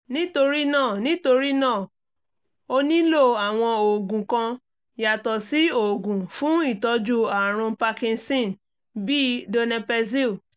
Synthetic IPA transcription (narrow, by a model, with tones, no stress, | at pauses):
nĩ˦to˧ɾi˦nãː˦˨nĩ˦to˧ɾi˦nãː˦˨ | o˧nĩ˦lo˦˨a˨w̃ɔ̃˧o˨ɡũ˨kã˧ | ja˨tɔ˨si˦o˨ɡũ˨fũ˦i˦˨tɔ˧d͡ʒu˦a˨ɾ̃ũ˧pa˧kĩ˧nsĩ˦˨n | bi˦do˧nɛ̃˧pɛ˧zi˦˨